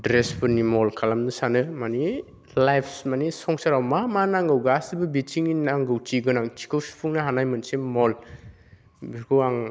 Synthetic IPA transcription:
dɾespʰɯnimɔlkʰalamnɯsanɯmani | lajpʰsmanisɔŋsaɾawmamanaŋɡɯwɡasibɯbit͡ʃiŋinaŋɡɯwt͡ʃiɡɯnaŋt͡ʃi̥kʰɯwspʰuŋnaɦanajmɯnsemɔl | bikʰɯwaŋ

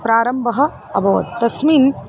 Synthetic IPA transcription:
pɾaːɾɐmbʱɐɦɐ̆ | ɐ̰bʱɐʋɐ̰t̪̚t̪ɐsmiːn

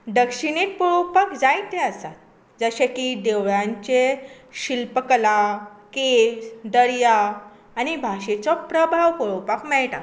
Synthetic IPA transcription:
ɖ̪əkʂinit̪̚poɭopakd͡zajt̪ẽəsat̪̚ | d͡zəɕekid̪eʋɭãɲt͡ɕe | ɕilpəkəlakesd̪əɭjaː | ñibʱaɕet͡sɔpɾəbʱaʋpɔɭopakmɛɭʈa̰k

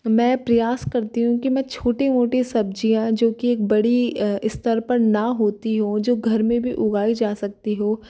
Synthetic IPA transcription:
mɛ̃ːpɾɐjaːskɐɾt̪iɦũkimɛ̃t͡ʃʰoːʈemoːʈesɐb̚d͡ʒijãd͡ʒoːkieːk̚bɐɽiɪst̪əɾpɐɾnɐɦoːt̪iɦũd͡ʒoːɡʱɐɾmẽbʱiʔʊɡaːid͡ʒaːsɐk̚t̪iɦoː

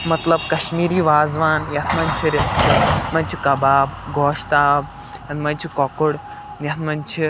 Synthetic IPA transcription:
mɐt̪ləb̚kɐɕmiːɾiːʋaːd͡zʋaːnjat̪ʰmaɲt͡ʃʰiɾest̪im̤ãɲt͡ɕikɐbaːbɡʱɔːʂt̪aːb̚ | janmant͡ɕʰikɔkoɽ | njat̪ʰmant͡ɕʰi

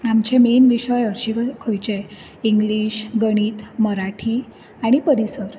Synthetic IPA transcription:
amt͡ɕẽmenʋiɕəjəɾɕikʰojt͡ɕe | iŋɡliːɕɡəɽ̃iːt̪məɾaʈʰiː | aɽ̃ipəɾisəɾ

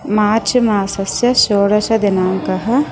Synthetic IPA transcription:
maːt͡ʃʰimaːsɐsjɐʃoːɽɐʃɐd̪enaːŋkɐɦɐ̆

